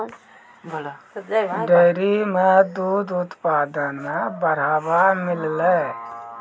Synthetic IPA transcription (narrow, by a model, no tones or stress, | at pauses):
ɖeːɾimẽd̪uːd̪ʊt̪paːd̪ənabəɾaːbamɪlle